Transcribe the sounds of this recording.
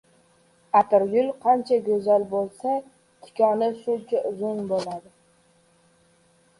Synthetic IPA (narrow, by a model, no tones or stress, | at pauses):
at̪ɪɾjʊlˠqʰɑnt͡ʃʰaɡʲɵzalbolˠsa | t̪ʰɪ̥kʲʰɒnɪsʊnt͡ʃʰaʔʊzʊnbolad̪ɪ